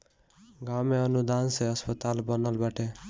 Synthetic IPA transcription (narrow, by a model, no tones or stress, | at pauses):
ɡameʌnud̪ʱansʌʌspʌt̪albʌnʌlbaʈʰe